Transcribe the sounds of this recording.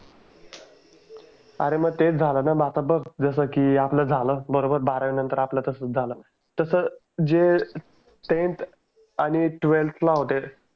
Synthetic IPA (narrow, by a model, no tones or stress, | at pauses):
a̰ɾeməɡ̚t̪et͡sd͡zʱalənabat̪əbəɡd͡zəsəkiːapləːd͡zʱaləbəɾobəɾbaɾəʋnənt̪əɾaplət̪əsət͡sd͡zʱaləː | t̪əsə | d͡ze | ʈent̪ʰ | aɽ̃iʈʋelt̪ʰlaɦot̪e